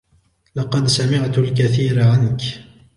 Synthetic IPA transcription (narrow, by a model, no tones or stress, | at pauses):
lɑqɑd̪samɪʕt̪ʊlk̬aθiːɾaʕank